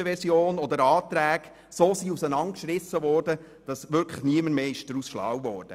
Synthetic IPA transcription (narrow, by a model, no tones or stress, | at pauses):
əʋɛɾsjoːnɔd̪əɾɑːt̪ɾæːɡ̥ | soːsiːusənɑnkʃrɪsəʋɔːrdə | d̥ɑsʋʏɾkʰləχniəməmeːɪʃd̥ɾusʃlɑ̰ːwvɔːrd̥ə